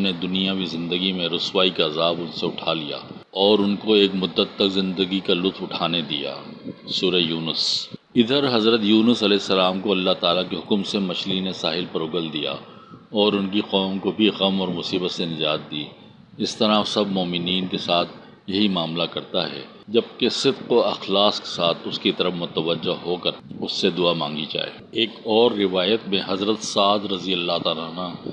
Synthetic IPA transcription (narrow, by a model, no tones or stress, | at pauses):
ned̪ʊnijãwizɪ̃nd̪əɡimẽɾʊswaːikaɐzaːbʊnseʊʈʰalija̰ːɔːɾʊnkoeːkmʊd̪ːət̪ːɐkzɪ̃nd̪əɡikalʊt̪fʊʈʰaːned̪ija̰ːsuːɾejuːnəs | ɪd̪əɾɦɐzɾət̪juːnəsɐlɛːsːɐlaːmkoɐlːaɦt̪aːlakeɦʊkmsemɐʃlinesaːɦɪlpɐɾʊɡəld̪ija̰ | ɔːɾʊnkiqɔːmkobʱiɣɐmɔːɾmʊsiːbət̪senɪd͡ʒaːt̪̚d̪iː | ɪst̪ɐɾasɐbmoːmɪniːnkesaːt̪ʰ | jɐɦimaːmlakɐɾt̪aɦɛ̰ | d͡ʒɐb̚kesɪd̪qoɐxlaːske̥saːt̪ʰʊskit̪ɐɾəfmʊt̪əʋəd͡ʒːəɦoːkɐɾʊsːed̪ʊamã̰ːŋɡid͡ʒa̰ːḛːeːkɔːɾːɪʋaːjət̪mẽɦɐzɾət̪saːd̪ɾɐzijəlːat̪aːlanaː